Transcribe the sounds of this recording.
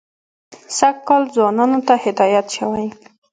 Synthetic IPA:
sakkːɑlzwɑnɑnot̪ahɪd̪ɑjat̪ʃawaj

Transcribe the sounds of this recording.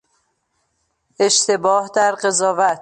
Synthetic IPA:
e̞ʃt̪ʰe̞bɒːhd̪æɾɢe̞zɒːvæt̪

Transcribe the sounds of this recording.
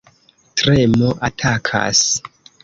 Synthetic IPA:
tɾemoʔatʰakʰa̰s

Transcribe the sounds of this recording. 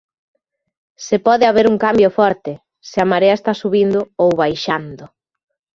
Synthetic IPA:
sepɔðeaβeɾuŋkambjofɔɾt̪ɪ | sɪamaɾeaest̪asuβind̪ʊowβajʃand̪ʊ

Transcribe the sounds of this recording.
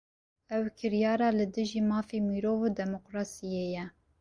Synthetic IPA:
ʔɛwkʰɨɾjɑːɾɑːlɨd̪ɨʒiːmɑːfiːmiːɾoːvod̪ɛmoqɾɑːsijejɛ

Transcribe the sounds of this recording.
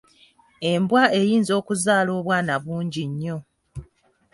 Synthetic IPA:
e̞mbwae̞jiːnzo̞ːkuzaːlo̞ːβwaːnaβuːɲɟiɲːo̞

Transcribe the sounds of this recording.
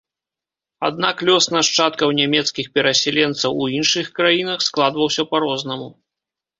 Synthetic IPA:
a̰d̪naklʲɔsnaʂt͡ʂat̪kɐwnʲamʲɛt̪skʲixpʲɛɾɐsʲalʲɛnt̪sɐwuinʂɨxkɾajinɐxsklˠad̪vɐwsʲɐpaɾɔznɐmu

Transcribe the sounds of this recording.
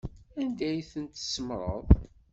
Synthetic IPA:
ænd̪æjθənt̪səmɾˤə̰ðˤ

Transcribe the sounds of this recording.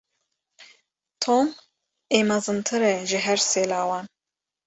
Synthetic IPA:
t̪ʰoːn | eːmɑzɨnt̪ʰɨɾɛʒɨɦɛɾseːlaːwɑːn

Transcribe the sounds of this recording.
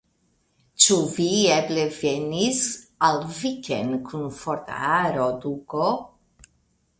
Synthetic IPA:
t͡ʃuvieblevenisalvikḛnkʰunfoɾt̪a̰aɾod̪uko

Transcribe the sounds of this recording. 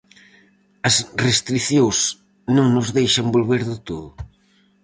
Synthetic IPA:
ɐsrest̪ɾiθjows | nõŋnʊzðejʃɐmbolβeɾðɪt̪oðʊ

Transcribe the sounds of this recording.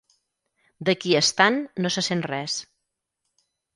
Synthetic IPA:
d̪əkiəst̪anːosəsenrɛs

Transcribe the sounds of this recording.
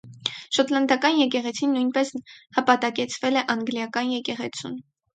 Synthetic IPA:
ʃɔt̪lɑnd̪ɑkɑnjɛk̬ɛʁɛt͡sʰinːujnpɛshɑpɑt̪ɑkɛt͡sʰvɛlɛʔɑŋɡljɑkɑnjɛkɛʁɛt͡sʰṵn

